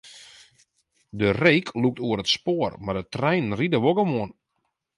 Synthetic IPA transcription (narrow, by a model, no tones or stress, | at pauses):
dərejkʰluk̚tuəɾətspoərmardətrɛjnn̩ridəʋoɡəmuən